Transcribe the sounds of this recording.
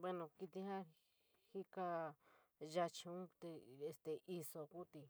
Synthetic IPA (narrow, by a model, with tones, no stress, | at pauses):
bwe˦nõ˧˨ki˧t̪ĩ˧hã˦ | hi˦ka˧ | ʒa˧t͡ʃũ˧˦t̪e˧e˧st̪e˨ʔi˧so˧ku˦t̪i˧